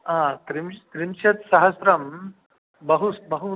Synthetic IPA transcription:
ɦãːkɾimkɾimʃɐt̪sɐɦɐsɾɐm | bɐɦubɐɦu

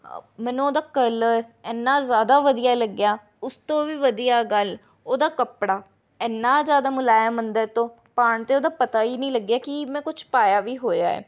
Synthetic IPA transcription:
mɛ̃ːnũːoːd̪aːkələɾɛːnːãːzjaːd̪aːʋəd̪ijaːləɡjaː | ʊst̪õːʋiːʋəd̪ijaːɡəl | oːd̪aːkəpɽaː | ɛnːaːzjaːd̪aːmʊlaːjaːmənd̪ɛːt̪õː | paːɳt̪eːoːd̪aːpət̪aːiːnĩːləɡjaːkɪmɛ̃ːkʊt͡ʃʰpaːjaːʋiːɦoːja̰ːɛ̰ː

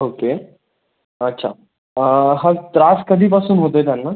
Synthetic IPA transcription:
oːkeː | ɐtːʃʰa̰ | ɦɐɾt̪ɾaːskɐb̪ʱipasunɦoːt̪ed̪alna

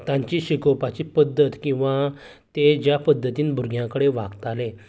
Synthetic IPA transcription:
t̪jãɲt͡ɕiɕikəwpat͡ɕipəd̪ːət̪kĩw̃ʋa | t̪ed͡ʑjapəd̪ʱːət̪iːnbʱuɾɡʱjãkəɽeʋa̰ɡt̪ale

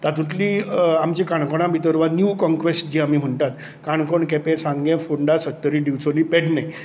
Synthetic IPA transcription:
t̪at̪ũt̪liːamt͡ɕikaɳ̃koɽ̃ãbʱit̪əɾʋanjuːkɔ̃ŋkʋesʈd͡ʑiːamiːm̤əɳt̪at̪ | kaɳkoɳkɛpẽsãŋɡẽfoɳɖasət̪ːəɾiːɖiʋt͡soliːpeʈnaj

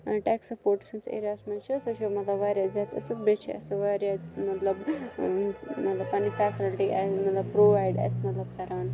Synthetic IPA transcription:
ʈɛːksɐpoːɾʈsɐnsḛːɾaːsmɐnt͡ʃʰiɐsɨt͡ʃʰomɐt̪lɐbʋaːɾʲjazaːt̪ɐsɨt̪̚bet͡ʃʰiɐ̰sɨʋaːɾjamɐt̪lɐb | mɐt̪lɐbpɐnifɛːsɪlʈiʔasmɐt̪lɐbpɾoːʋaːjɖɐ̰smɐt̪lɐbkɐɾaːn

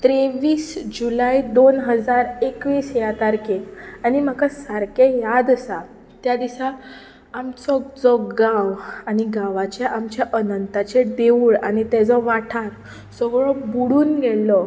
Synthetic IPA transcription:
t̪ɾeʋiːsd͡ʑulaid̪onɦəd͡zaɾekʋiːsjat̪aɾkeañiməkasaɾkejad̪əsa | t̪jad̪isaː | mt͡sɔd͡zɔɡawaɽiɡaʋat͡ɕjaʔamt͡ɕjaʔənənt̪at͡ɕeɖeʋuːɭaɽ̃it̪ɛd͡zɔʋaʈʰaɾ | sɔɡɭɔbuɽuːnɡeɭlɔ

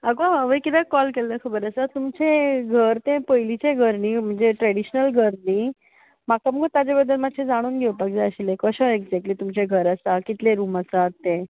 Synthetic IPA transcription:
əɡoəʋəjkit̪ãkɔlkelːəkʰəbəɾəsat̪umt͡ɕẽɡʱəɾt̪ẽpəjlit͡ɕeɡʱəɾnim̤əɳd͡zeʈɾɛɽiɕnəlɡʱəɾni | mat̪aməɡt̪ad͡ʑebəd̪ʱːəlmad̪ɕʰẽd͡zaɽ̃uːnɡʱeʋəpaɡd͡zaəɕilekəɕə̃eɡd͡zɛk̚ʈliːt̪umt͡ɕeɡʱəɾəsakit̪leɾuːməsat̪ːẽ

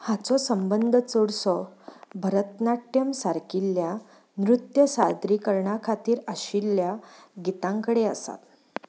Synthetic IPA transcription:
hat͡sɔsəmbənd̪ʱət͡soɽsɔbʱəɾət̪naʈjəmsaɾkilːja | nɾut̪jəsad̪ɾikəɾɳakʰat̪iːɾəɕilːjaɡit̪ãŋkəɽeəsa̰t̪

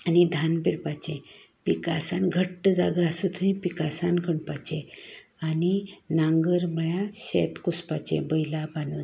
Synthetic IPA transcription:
anid̪ʱanpiɾpat͡ɕẽ | pikasanɡʱəʈːəd͡zaɡaasət̪ʰəĩpikasankʰəɳpat͡ɕẽ | aninãŋɡəɾməjãɕḛt̪kuspat͡ɕḛ̃bəjlabanu

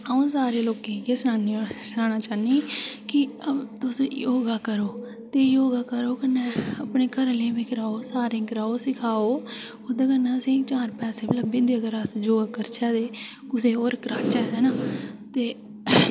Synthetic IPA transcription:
aõːsaːɾeːloːkẽːkeːsnaːnisnaːnaːt͡ʃaːniːkɪəbt̪ʊsjoːɡaːkəɾoː | t̪eːjoːɡaːkəɾoːkənːeːəpneːkəɾleːʋɪkʰɾaːoːsaːɾẽːkɾaːoːsɪkʰaːoː | od̪eːkənːeːəsĩːt͡ʃaːɾpɛːseːbələbɪ̃nd̪eːəkəɾasd͡ʒoːɡaːkəɾt͡ʃʰɛːd̪eː | kʊseːoːɾkɾaːt͡ʃɛːɦɛːnaːt̪eː

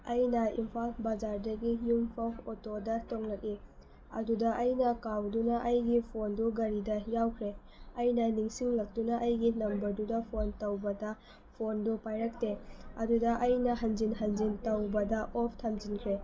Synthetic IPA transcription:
ɐjnɐimpʰalbɐd͡ʒaɾdɐɡijumpʰɐotodɐtoŋlɐk̚i | ɐ̰dudɐʔɐjnɐkawdunɐʔɐjɡipʰonduɡɐɾidɐjawkʰɾe | ɐjnɐniŋsiŋlɐk̚tunɐʔɐjɡinɐmbɐɾdudɐpʰontɐwbɐdɐ | pʰondupajɾɐk̚teɐ̰dudɐʔɐjnɐɦɐnd͡ʒinɦɐnd͡ʒintɐwbɐdɐʔopʰtʰɐmd͡ʒinkʰɾe

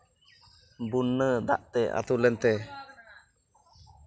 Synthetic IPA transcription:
bunːəd̪a̰ʔt̪ɛa̰t̪ulɛnt̪ɛ

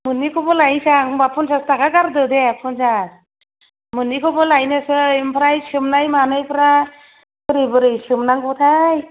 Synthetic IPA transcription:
mɯnikʰɔbɔlajnsaŋbapʰɔnsastakʰakaɾdɯd̪ɛapʰɔnsas | mɯnikʰɔbɔlajnɯsɯimpʰɾajsɯmnajmanɯjpʰɾa | kɯɾɯjbɯɾɯjsɯmnaŋɡut̪ʰaj

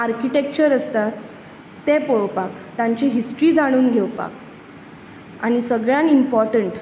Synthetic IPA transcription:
aɾkiʈek̚t͡ɕəɾəst̪at̪ː | epoɭpakt̪ãɲt͡ɕeɦisʈɾiːd͡zaɽ̃uːnɡʱewpa̰k̚ | aɽ̃isəɡɭjãnimpɔɾʈəɳʈ

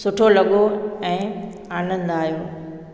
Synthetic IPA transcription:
sʊʈʰolɐɠoɛ̃ː | aːnə̃nd̪aːɦjoː

